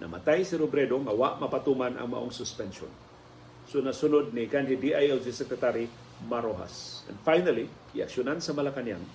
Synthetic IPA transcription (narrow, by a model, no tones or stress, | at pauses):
nʔɐ̰ma̰t̪ajsɪɾobɾɛd̪oŋɐwaʔmɐpat̪umanɐ̰ŋmɐ̰ʔoŋsʊspɛnʃo̰n | sʊnasʊnod̪̚nikanɦid̪iʔajɛld͡ʒisɛkɾɛt̪aɾi | maɾoɦa̰sɛ̰nd̪fajnali | ɪa̰kʃʊnansɐmɐlakanja̰ŋ